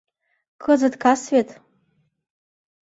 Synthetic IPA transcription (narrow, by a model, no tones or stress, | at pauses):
kʰɨzadkʰasɥetʼ